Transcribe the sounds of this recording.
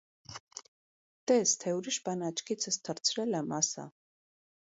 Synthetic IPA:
d̪̥ɛst̪ʰɛuɾiʃbanat͡ʃʰkʰit̪sʰəst̪ʰəɾt̪t͡sʰɾɛlɛmasa̰

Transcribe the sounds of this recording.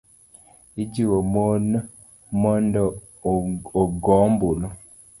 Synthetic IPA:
id͡ʒiwomon | mɔndɔ | oɡɔmbulɔ

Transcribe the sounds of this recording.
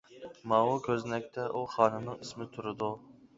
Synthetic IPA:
mɑwukʲʰøznɛk̚ʲt̪ʰɛʔuχɑːnɨnɨŋismɪt̪ʰuɾɨd̪u

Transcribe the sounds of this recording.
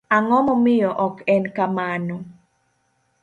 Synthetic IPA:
aŋɔmɔmɪjɔʔɔkɛnkamanɔ

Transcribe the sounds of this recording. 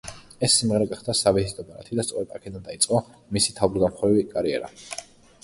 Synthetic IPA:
ɛsːimʁɛɾɛɡaχd̪asavizit̪ʼɔbaɾa̰t̪ʰid̪ast̪sʼɔɾɛd̪a̰kʰɛd̪and̪ait̪sʼqʼamisi̥t̪ʰavbɾd̪amχɾɛvikʼaɾiɛ̰ɾa̰

